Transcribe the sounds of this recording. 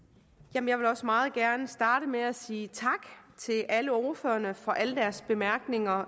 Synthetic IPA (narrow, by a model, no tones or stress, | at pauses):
jæmnjɑ̈ɪʋe̝lɒ̽smɑ̈ːð̞̩ˠɡ̥æɐnəsd̥ɑ̈ːɾ̥əmeæsiːt͡sʰɑ̈ɡ̥t͡sʰe̝lʔæləɒɐføːɐnəfɒ̽ʔæləd̥æɐsb̥e̝mæɐɡ̥ne̝ŋɐ